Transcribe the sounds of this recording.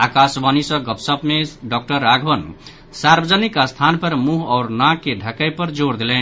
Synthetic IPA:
akasbanisʌ̃ɡʌpsʌpmeɖɔk̚ʈʌɾaɡʱbʌn | saɾbəd͡zanikast̪ʰanpʌɾmuɦʌɾnakːeɖʱəkajpʌɾd͡zoɾd̪elen

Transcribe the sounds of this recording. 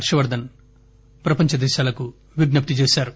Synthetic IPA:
ɾʂɐʋɐɾd̪ʱɐn | pɾɐpɐɲt͡ʃɐd̪ɛːʃaːlɐku | ʋiɡnɐp̚ʈ̪it͡ʃeːʃaːɾu

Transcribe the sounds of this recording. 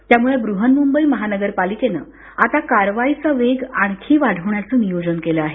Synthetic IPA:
t̪jamuɭebɾuɦənmumbəiːməɦanəɡəɾpalikenə̰ː | at̪akaɾʋait͡səʋeɡaɳ̃kʰiːʋaɽ̤ʱəʋɳjat͡sənijod͡zənkeləaɦe

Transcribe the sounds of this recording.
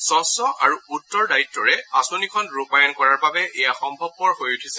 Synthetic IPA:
sɔ̃sɔʔaɹuutːɔɹdaitːɔɹɛasonikʰɔnɹupajɔnkɔɹaɹbabɛʔɛjaxɔmbʱɔb̚pɔɹhojutʰisɛ

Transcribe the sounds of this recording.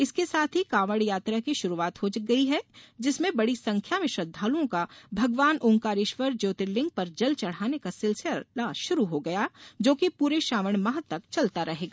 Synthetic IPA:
ɪskesaːt̪ʰɦikaːʋəɽjaːt̪ɾakiʃʊɾuaːt̪ɦod͡ʒɐɡɐiɦɛd͡ʒɪsmẽbɐɽisɐ̃ŋkʰjamẽʃɾɐd̪ʱːaːluõkabʱɐɡʋaːnʔʊ̃ŋkaːɾɪʃʋəɾd͡ʒoːt̪ɪɾlɪ̃ŋɡ̚pɐɾd͡ʒɐlt͡ʃɐɽ̤aːnekasɪlselaːʃʊɾuɦoɡɐjaːd͡ʒoːkipuːɾeʃaːʋəɽ̃mɐɦət̪ːɐkt͡ʃɐlt̪aɾɐɦeːɡaː

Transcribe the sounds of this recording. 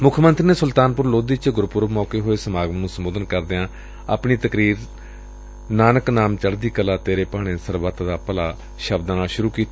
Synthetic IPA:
mʊkʰːmənt̪ɾiːneːsʊlt̪aːnpʊɾloːd̪iːt͡ʃɡʊɾpʊɾmɔːkeːɦoːeːsəmaːɡmnũːsəmoːd̪ənkəɾd̪eãː | apɳiːt̪əkɾiːɾ | naːnəknaːmt͡ʃəɽd̪iːkəlaːt̪eːɾeːpaːɽ̃ẽːsəɾʋət̪d̪aːpəlaː | ʃəbd̪ãːnaːʃʊɾuːkiːt̪a

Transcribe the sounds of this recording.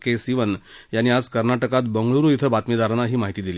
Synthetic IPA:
kesiʋənjanːiːad͡zkəɾnaʈəkat̪bəŋɡɭuɾuːit̪ʰəbat̪mid̪aɾnaɦiːmaɦit̪iːd̪iliː

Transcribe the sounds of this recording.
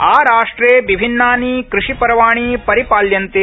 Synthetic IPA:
aːɾaːʂʈɾeːʋibʱinːaːnikɾɪʂipɐɾɐʋaːɳ̃iːpɐɾipaːljɐnt̪eː

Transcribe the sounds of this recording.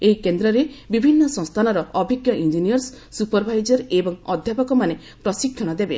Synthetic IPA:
eikend̪ɾɔɾebibʱinːɔsɔ̃ŋst̪ʰanɔɾɔːbʱiɡjɔʔind͡ʒinijɔɾsː | upɔɾbʱajd͡ʒɔɾebɔŋɔd̪ʱjapɔkɔmane | pɾɔsikʰjɔɽ̃ɔd̪ebe

